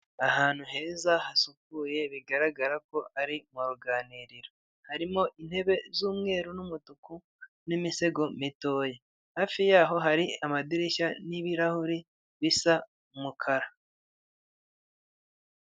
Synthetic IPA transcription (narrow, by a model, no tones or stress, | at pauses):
ahaːn̥huɦe̞ːzahasukuːje̞βiɡaɾaɡaɾako̞ʔaɾimuɾuɡaːniɾiɾo | haɾimo̞ʔin̥he̞βe̞zuːmŋe̞ːɾunumutuku | nimise̞ɡo̞mito̞ːje | haːfijaːɦo̞ɦaɾiamadiɾiʃaniβiɾahuɾi | βisa | umukʰaɾa